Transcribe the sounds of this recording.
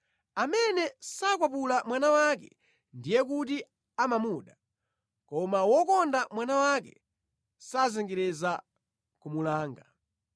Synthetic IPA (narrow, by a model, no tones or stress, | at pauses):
amɛnɛsakwap̬ulamwanawakɛ | ndijɛk̬uti | amamuːɗa | kɔmawɔkɔndamwanawakɛ̰ | sazɛŋɡɛɾɛza | kumulaːŋɡa